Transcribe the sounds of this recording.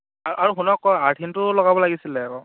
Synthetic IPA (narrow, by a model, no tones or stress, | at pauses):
aɹʔaɹuxunɔkːɔjaɹtʰintʊlɔɡabɔlaɡisilɛkɔ